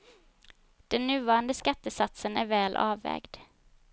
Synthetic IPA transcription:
d̪̥ɛnːʉ̟ːvɑːɾand̪əskat̪ːəsat̪sənæɾvæːlʔɑ̰ːʋːɛ̰ːɡd̪

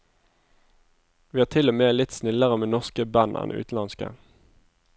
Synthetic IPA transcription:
ʋiːɑːt̪ʰɪlomeːlɪt̪snɪləʁəmeːnɔʁskəbænɛ̰n̰ʉ̰ːt̪n̩ɑnskə̰

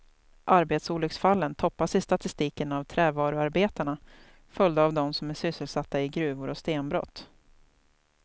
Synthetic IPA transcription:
ʔaɾbeːt̪suːlɵksfalːənt̪ʰɔpːasɪst̪at̪ɪst̪iːkənavt̪ʰɾɛːvɑːɾɵaɾbeːt̪aɳa | fœlʲd̪aːvd̪ɔmsɔmæʂʏsːəlsat̪ːaɪɡɾʉ̟ːvʊɾɔst̪eːnbɾɔ̰t̪ː

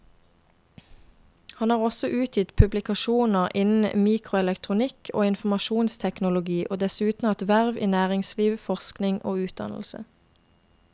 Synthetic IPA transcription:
hɑnhɑːʁɔsɔʔʉːt̪ʰjɪt̪pʰʉblɪkɑʃuːnəʁʔɪnn̩miːkʰʁʊɛlɛkt̪ʰʁʊnɪkʰo̰ːɪnfmɑʃuːnst̪ʰɛknʊlʊɡiːʔoːd̪ɛsʉːt̪n̩ɑːʁt̪ʋæʁʋḭːnæːʁɪŋsliːʋfɔʁsknɪŋʔo̰ːʉːt̪̚d̪ɑ̰nl̩sə̰

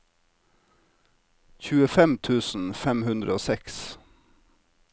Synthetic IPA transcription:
çʉːəfɛmt̪ʰʉːsn̩fɛmhʉnd̪ɾəoːsɛks

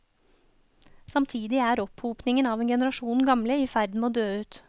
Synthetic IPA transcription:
sɑmt̪ʰiːd̪ɪæːɾɔphuːpnɪŋənɑːʋeːnɡɛnəɾɑʃuːnɡɑmləiːfæɾd̪n̩moːd̪øːʉːt̪

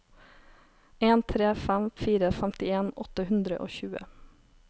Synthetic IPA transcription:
eːnt̪ʰɾeːfæmfiːɾəfɛmt̪ɪeːnɔt̪əhʉnd̪ɾə̰ʔo̰ːçʉːə̰

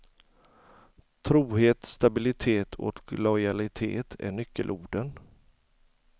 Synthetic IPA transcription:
t̪ʰɾuːheːt̪st̪abɪlɪt̪ʰeːt̪ʰɔ̰klɔjalɪt̪ʰḛːt̪ʰæ̰ɳʏkːə̰lʔuːɖən

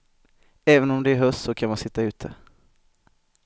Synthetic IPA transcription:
ɛːvənɔmd̪ɛæɾɦœst̪sɔkʰanmansɪt̪ːaʉ̟ːt̪ʰə

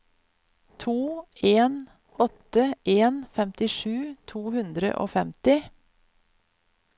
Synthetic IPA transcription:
t̪ʰuːeːn | ɔt̪əʔeːnfɛmt̪ɪʃʉːt̪ʰuːhʉnd̪ɾə̰ʔo̰ːfɛmt̪ɪ

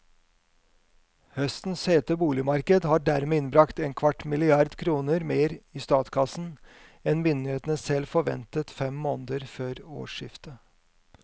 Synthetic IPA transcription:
hœst̪n̩sheːt̪əbuːlɪmɑɾkəd̪hɑːɖæɾmeːɪnbɾɑkt̪eːnkʰʋɑʈmɪlɪɑɾd̪kʰɾuːnəɾmeːɾiːst̪ɑːt̪kʰɑsn̩ | ɛnmʏnd̪ɪeːt̪ənəsɛlfɔɾʋɛ̰nt̪ət̪fɛmːoːnəd̪əɾføːɾo̰ːʂɪft̪ə

